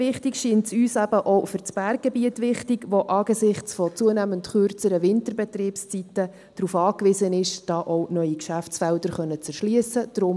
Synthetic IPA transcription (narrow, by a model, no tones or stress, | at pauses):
ʋɪχtikʃiːntsyːsæb̥əʔɔʊfʏɾt͡sb̥ærɡ̚ɡ̥ebiətʋɪχtiɡʋoʔɑːɡ̥esɪχt͡sfɔt͡suənæməntχøɾt͡səɾəʋɪntərbɛt̪riːpst͡sitə | d̥ɾufɑːkʋɪsənɪʃd̥ɑːʔɔʊnœʏikʃæft͡sfɛldəɾχœnːət͡sɛɾʃliəsəd̥ɾʊm